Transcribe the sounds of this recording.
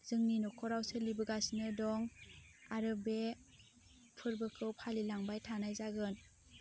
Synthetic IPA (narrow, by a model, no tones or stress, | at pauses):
z̥ɯŋninɔkʰɔɾawselibɯɡasnɯdɔŋ | aɾɯbe | pʰɯɾbɯkʰɯwpʰalilaŋbajtʰanajzaɡɯn